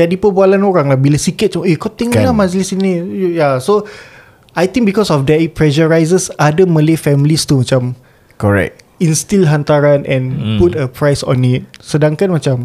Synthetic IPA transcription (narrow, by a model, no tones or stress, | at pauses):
dadipəbualanoɾaŋlahbilasikɪt̪̚t͡ʃumekot̪ĩŋlamad͡ʒlisinijaso | ajt̪ĩŋ̚bikɔsɔfdɛt̚ipɹɛʃəɹajsəsadəmə̃lefɛmilist̪umat͡ʃam | kɔɹɛ̰k̚tĩnst̪ilɦant̪aɾanɛ̃nputəpɹajsɔ̰̃nit̚sədãŋkanmat͡ʃam